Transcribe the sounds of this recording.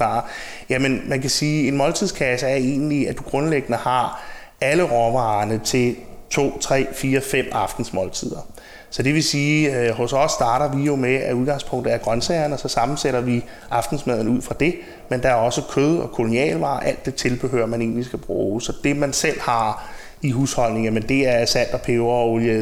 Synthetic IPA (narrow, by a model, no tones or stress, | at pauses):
ɑ̰̈ | jæmənmænkʰæsiːe̝nmɒ̽lt͡sʰið̞̰ˠskʰæsəæɐe̝̰ːnliæd̥uɡ̥ʁɔ̽nleɡ̥ənəhɑ̈ | ʔæləʁɒʋɑ̈ːnət͡sʰe̝lt͡sʰo̝̰ːt͡sʰʁɛ̰ːfiːɐfem̰ɑ̈fd̥n̩smɒ̽lt͡sʰið̞̰ˠɐ | sɒ̽d̥e̝ʋe̝siːɦɔ̽sɒ̽sːd̥ɑ̈ːɾɐʋijo̝meæuð̞ˠɡ̥ɑ̈ŋspʰɔ̽ŋ̰d̥ð̩ˠæɐɡ̥ʁɶnsɛɪɐnɒ̽sɒ̽sɑ̈mn̩seɾ̥ɐʋi | ʔɑ̈fd̥n̩smɛð̰ˠn̩uð̞̰ˠfʁɑ̈d̥e̝ | mend̥ɑ̈æɐɒ̽səkʰøð̞ˠɒ̽kʰo̝lo̝niɛ̰ːlʋɑ̰̈ːʔæl̰d̥ːe̝t͡sʰe̝lb̥eɦøːɐmæne̝̰ːnlisɡ̥æb̥ʁuːsɒ̽d̥e̝mænsel̰hɑ̈ | iɦuːshɒ̽l̰ne̝ŋjæmənd̥e̝æɐsæn̰d̥ɒ̽pʰeʊɐɒolje